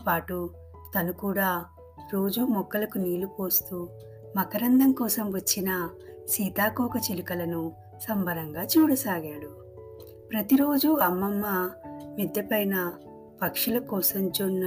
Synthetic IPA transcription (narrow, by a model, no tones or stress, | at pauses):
paːʈu | t̪ɐnukuːɽaː | ɾo̞ːd͡ʒumɔkːɐlɐkuniːlupo̞ːst̪uː | mɐkɐɾɐnd̪ɐmkɔːsɐmʋɐt͡ʃːinɐ | siːt̪aːkɔːkɐt͡ʃilukɐlɐnu | sɐmbʱɐɾɐŋɡaːt͡ʃuːɽɐsaːɡaːɽu | pɾɐt̪iɾo̞ːd͡ʒuɐmːɐmːɐmid̪jɐpɐjnɐ | pɐkʂulɐkɔːsɐmd͡ʒonː